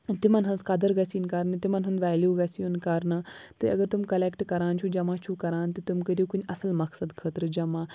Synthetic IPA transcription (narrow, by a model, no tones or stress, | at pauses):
t̪imɐnɦɐnskɐd̪ɐɾɡɐsinkɐɾnɨt̪imɐnɦɐnʋɛːljuːɡɐsiunkɐɾnɨt̪ɨɐ̰ɡɐɾt̪umkɐlekʈkɐɾaːnt͡ʃʰud͡ʒɐmãːt͡ʃʰukɐɾaːnt̪ɨt̪umkəɾijukunʲɐsɐlmɐksɐd̪kʰət̪ɾɨd͡ʒɐmãː